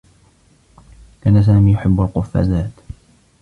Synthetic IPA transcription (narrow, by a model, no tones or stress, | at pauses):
kaːnas̬aːmiːjʊħɪbːalqʊfːa̰ːzaːt̪